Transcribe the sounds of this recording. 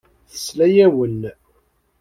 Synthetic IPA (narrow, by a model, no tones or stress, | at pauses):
θə̥slæjæwən